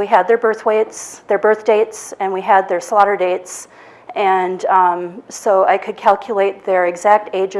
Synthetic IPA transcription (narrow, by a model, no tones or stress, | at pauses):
iɨd̪̚ðə˞bɜ˞θweɪtsðə˞bɜ˞θd̥eɪtsɨ̃nwiɨd̪̚ðə˞slɑɾə˞deɪts | ɨ̃n | soʊaɪkʰɨd̚kʰælˠkʰjɨleɪt̪̚ðə˞ɨɡzæk̚tʰeɪd͡ʒɨ